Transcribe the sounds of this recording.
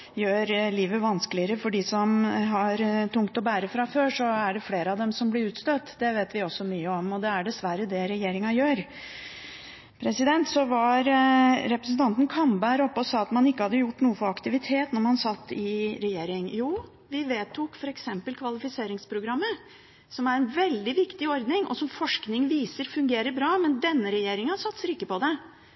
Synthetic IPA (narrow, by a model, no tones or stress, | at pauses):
jøːɾliːʋəʋɑnsklɪəɾəfɔɖɪsɔmɦɑɾt̪ʊŋkt̪ɔbæːɾəfɾɑføːʂɔæɖɛfleːɾəɑʋd̪ɛmsɔmblɪɾʉːt̪st̪øːt̪ːd̪ɛʋeːt̪ʋɪɔsːɔmyːəɔmɔd̪ɛæɖɛsʋæɾəd̪ɛɾɛjeːɾɪŋɑjøːɾ | pʰɾɛsɪd̪ɛnt̪sɔʋɑɾɾɛpɾəsnt̪ɑnt̪ən̩kʰɑmbæɾɔpːɔsɑːɑt̪mɑnɪkːəhɑd̪ːəjʊʈːnuːəfɔɾɑkt̪ɪʋɪt̪ʰeːt̪nɔɾmɑnsɑt̪ːɪɾɛjeːɾɪŋjuː | ʋɪʋeːt̪ʰːʊkfɔɾɛksɛmpəlkʰʋɑlɪfɪseːɾɪŋspʰɾʊɡɾɑmːə | sɔmæɾɛnʋɛld̪ɪʋɪkt̪ɪɔɾd̪nɪŋʔɔ̰sɔmfɔʂknɪŋʋiːsəɾfʉŋɡeːɾəɾbɾɑːmɛnd̪ɛnːəɾɛjeːɾɪŋɑsɑt̪səɾɪkːəpɔd̪ɛ